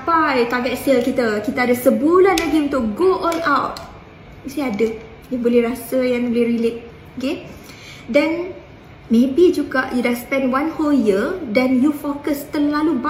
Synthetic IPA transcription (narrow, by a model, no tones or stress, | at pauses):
apajt̪aɡɛt̪̚siəlkit̪akit̪aːdasəbulanlaɡiunt̪ʊk̚ɡoʔɔ̃nawt̚ | misiadə | jaŋbolɛhɾasəjaŋbolɛhɾilek̚ | oke | dɛn | mẽbid͡ʒuɡaʔjudahspɛndwãnholjədɛnjufokəst̪əlaluba